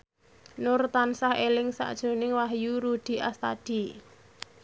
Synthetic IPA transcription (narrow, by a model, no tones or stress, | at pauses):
nʊrt̪ansahelɪŋsa̰ʔd̥ʒ̥o̤nɪŋwaɦjuɾud̪̥i̤ʔast̪ad̥i̤